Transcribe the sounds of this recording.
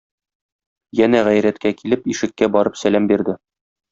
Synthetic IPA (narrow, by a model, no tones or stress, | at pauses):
jænæʁæjɾæt̪kækilɘpiʃɘ̆kːæbɒɾɤpsælæmbiɾd̪ɘ